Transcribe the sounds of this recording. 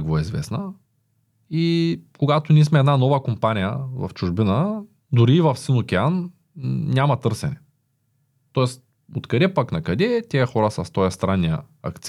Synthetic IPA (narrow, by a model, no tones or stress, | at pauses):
kvoɛizvɛ̰snə | ikoɡat̪ʊnʲiːsmɛːd̪nanɔvəkompanʲijə̰vɐ̰ft͡ʃuʒbinə | d̪ʊɾiːvɐfsinokʲɛan | nʲamɐt̪ɤɾsɛnɛ | t̪ɔɛst̪ | ot̪kɐd̪ɛpaknɐkɐd̪ɛt̪ʲɛɐxɔɾəsɐst̪ɔjɐst̪ɾanːijə̰ɐ̰kt̪s